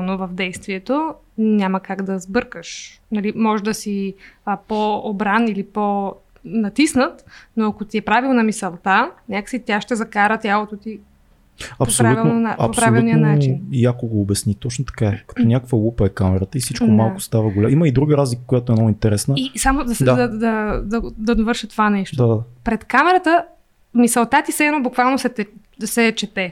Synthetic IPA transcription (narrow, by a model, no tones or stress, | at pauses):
novəvd̪ɛjst̪viɛt̪o | nʲaməkaɡd̪ɐzbɤɾkəʃnɐlimɔʒd̪ɐsipoːbɾanilipo | nɐt̪isnət̪noɐkot̪iɛpɾavilˠnɐmisɐlˠt̪anʲakə̥sit̪ʲaʃt̪ɛzɐkaɾət̪ʲjalˠot̪ot̪i | ɐpspɾoɾautvilnaɐ̰popspɾaolviulˠnijənat͡ʃiiniakoɡoːbɛsnit̪ɔt͡ʃnot̪ɐ̥kaɛkɐ̥t̪onʲakəkvəlˠupəɛkamɛɾət̪əisit͡ʃk̪omalˠkʊ̥st̪avəɡolaiməid̪ɾuɡəɾazlikə̥kojat̪oɛnoint̪ɛɾɛsnəisamod̪ɐsaɐd̪ɐd̪ɐd̪ɐd̪ɐvɤɾʃət̪t̪ovanɛʃtd̪oaapɾɛt̪kamɛɾət̪ə | misɛlˠt̪at̪isɛnobukvalˠnosɛt̪ɛ | sɛt͡ʃɛt̪ɛ